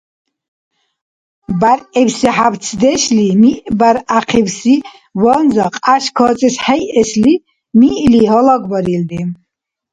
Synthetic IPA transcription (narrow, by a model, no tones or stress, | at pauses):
baɾɛwsiħab̪t͡sʰd̪ɛʃlimiʔbaɾaqʰiwsi | vɔnzaqʼaʃkʰɔt͡sʼɛsħɛjʔɛsli | miʔliɦɔlɔɡbɔɾild̪i